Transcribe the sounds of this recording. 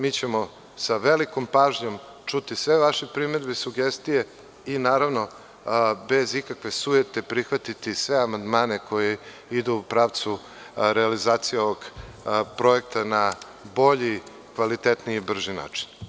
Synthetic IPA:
miːt͡ɕemo̞ | saʋeliko̞mpaːʒɲo̞m | t͡ʃut̪isʋeʋaʃepɾimed̪besuɡest̪ije̞ | inaːɾaʋno̞ | be̞zikakʋe̞sujet̪epɾixʋat̪it̪isʋeamand̪maːnekʰo̞je | id̪uːpɾaːʋt̪su | ɾealizaːt̪sijeoʋoɡpɾo̞ek̚t̪ana | bo̞ʎi | kʋalit̪et̪niːbr̩ʒina̰ːt͡ʂi̥n

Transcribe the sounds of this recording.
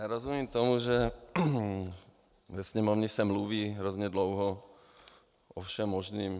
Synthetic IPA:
jaːɾozumiːmt̪omuʒɛ | vɛsɲɛmovɲɪsɛmluviːɦɾozɲɛdlowɦɔ | ʔofʃɛmːoʒniːm

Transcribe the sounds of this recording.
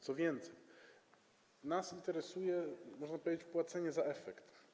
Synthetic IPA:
t̪sɔvjẽnt̪sej | nasĩnt̪eɾesujɛmɔʒnɐpɐt͡ʃupwat̪seɲɛzaɛfɛkt̪

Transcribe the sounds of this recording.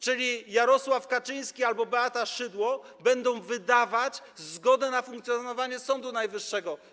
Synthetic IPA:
t͡ʂɘlʲijaɾɔswafkat͡ʂɘj̃skʲialbɔbɛat̪aʂɘd̪wɔ | bɛnd̪ɔ̃w̃vɘd̪avat͡ɕzɡɔd̪ɛnafuŋkt̪sʲjɔnɔvaɲɛsɔnd̪unajvɘʂːɛɡɔ

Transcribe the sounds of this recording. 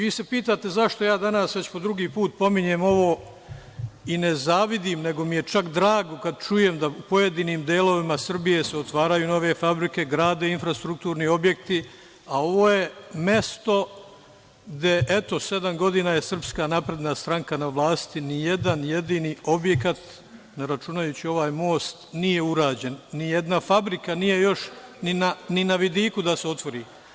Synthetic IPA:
ʋiːse̞piːt̪aːt̪e̞zaʃt̪o̞jaːd̪anaːsʋe̞t͡ɕpo̞d̪ɾuɡiːpuːt̪̚po̞miɲe̞ːmo̞ʋo̞ː | ine̞zaːʋid̪imne̞ɡo̞mije̞t͡ʃakd̪ɾaːɡo̞kad̪̚t͡ʃuje̞md̪aupo̞je̞d̪iːniːmd̪eːlo̞ʋimasr̩bije̞seot̪ʋaːɾajuːno̞ʋe̞fabɾike̞ɡɾaːd̪einfɾast̪ɾuk̚t̪uːɾnio̞bje̞kt̪i | ao̞ʋo̞ːjeme̞st̪o̞ | ɡd̪e̞ʔet̪o̞se̞d̪amɡo̞d̪iːnaːje̞sr̩pskaːnapɾe̞d̪nast̪ɾaŋkanaʋlˠaːst̪inije̞d̪anje̞d̪iːniːo̞bje̞kat̪ | neɾat͡ʃunajuːt͡ɕio̞ʋaːjmo̞ːst̪nije̞uɾaːd͡ʑe̞nːije̞d̪nafabɾikanije̞jo̞ʃninaninaʋid̪iːkud̪aseo̞t̪ʋo̞ɾiː

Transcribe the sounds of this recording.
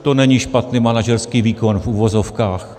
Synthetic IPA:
t̪onɛɲiʃpat̪niːmanaʒɛɾskiːviːko̞nfʔuvozofkaːx

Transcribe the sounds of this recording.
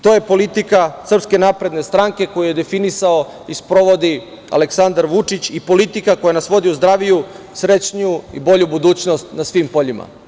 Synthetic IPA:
t̪ojepo̞lit̪ikasr̩pske̞naːpɾed̪ne̞st̪ɾaŋke̞ko̞juje̞d̪e̞finisao̞ | ispɾo̞ʋo̞d̪i | a̰le̞ksand̪aɾʋut͡ʂit͡ɕipo̞lit̪ikako̞janasʋo̞d̪iuzd̪ɾaːʋiju | sɾe̞t͡ɕɲuḭbo̞ʎubud̪uːt͡ɕnost̪nasʋimpo̞ʎima̰

